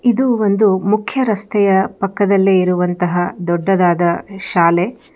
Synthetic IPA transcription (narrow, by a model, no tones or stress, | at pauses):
id̪uond̪umukʰjɐɾɐst̪ʰɛjɐpɐkːɐd̪ɐlːeiɾuʋɐnt̪ɐɦɐd̪ɔɖːɐd̪aːd̪ɐʃaːle